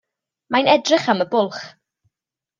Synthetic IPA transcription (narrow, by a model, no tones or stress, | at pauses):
majnɛdrɪχaməbʊlˠχ